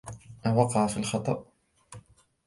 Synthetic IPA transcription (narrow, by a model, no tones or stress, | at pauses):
ʔanwɑqɑʕafilxɑt̪ˤɑ̰ʔ